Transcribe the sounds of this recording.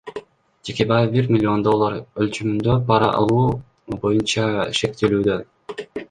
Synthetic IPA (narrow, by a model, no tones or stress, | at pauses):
d͡ʒe̞kʲe̞bɑjbiɾmʲɪlʲːio̞nd̪o̞lˠːaɾølt͡ʃymynd̪ø̞bɑɾɑ̰ʔɑ̰lˠuː | bo̞junt͡ʃɑʃe̞k̚t̪elyːd̪ø̞